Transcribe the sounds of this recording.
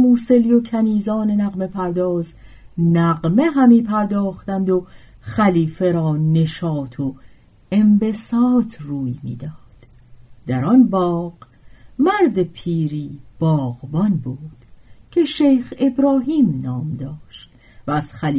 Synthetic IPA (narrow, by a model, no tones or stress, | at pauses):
muːse̞lijo̞cʰæniːzɒːne̞næɣme̞pʰæɾd̪ɒːz | næɣmeɦæmiːpʰæɾd̪ɒːχt̪ænd̪o̞ | χæliːfe̞ɾɒːne̞ʃɒːt̪ʰo | e̞mbe̞sɒːt̪ʰruːjmḭːd̪ɒːd̪̥ | d̪̥æɾɒnbɒːɣ̥ | mæɾd̪e̞pʰiːɾiːb̥ɒːʁbɒnbuːd̪̥cʰe̞ʃejxe̞bɾɒːɦiːmnɒːmd̪ɒːʃt̪ | væːz̥χælː